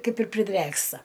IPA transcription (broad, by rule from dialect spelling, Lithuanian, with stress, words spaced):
ˈkɐɪp ɪr pʲrʲɪˈdʲrʲeːkstɐ